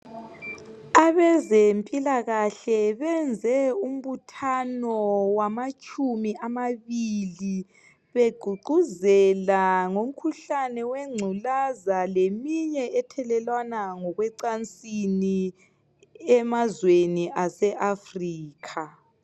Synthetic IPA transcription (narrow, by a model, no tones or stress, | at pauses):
aβɛzempʼilaɣaɬɛβɛnd͡zʱɛum̩βutʰanɔwamat͡ʃʼumiʔamaβili | βeɡ̥ʱuɡ͡ǃʱuzɛlaŋom̩kʰuɬanɛwɛŋ͡ǀʱulazalemiɲɛɛtʰɛlɛlwanaŋɔɣwɛǀant͡sʼini | ɛmazweniʔasɛʔafriːkʰa